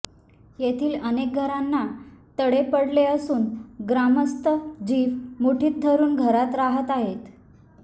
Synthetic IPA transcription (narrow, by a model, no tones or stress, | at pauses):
jet̪ʰiːlənek̚ɡʱəɾanːat̪əɽepəɽleəsuːnɡɾaməst̪əd͡ʑiːʋmuʈʰiːt̪̚d̪ʱəɾuːnɡʱəɾat̪ɾaɦət̪aɦet̪